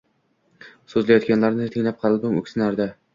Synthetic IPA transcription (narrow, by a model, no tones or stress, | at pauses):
sɵzlajɒt̪kʲanlaɾnɪt̪ʰɪŋlap̚qʰɑlɪb̪ɪmɵ̰kʲsɪnaɾd̪a